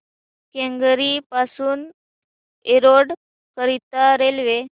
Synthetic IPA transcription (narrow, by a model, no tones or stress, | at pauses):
kẽŋɡɾipasuːn | eɾoɽ | kəɾit̪aɾelʋe